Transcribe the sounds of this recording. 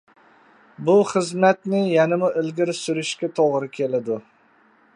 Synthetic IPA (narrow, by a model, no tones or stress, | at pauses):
bʊχɨzmat̪nɪjanɪmʊʔɪlɡʲɪɾsʊɾɪʃkʲat̪ʰoʁɾɪkʲʰe̞lad̪ʊ